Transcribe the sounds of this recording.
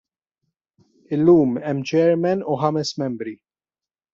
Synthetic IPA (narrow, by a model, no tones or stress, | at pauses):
ɪlːuːmɛmːt͡ʃɛːɾmɛnuħɐmɛsmɛmbɾi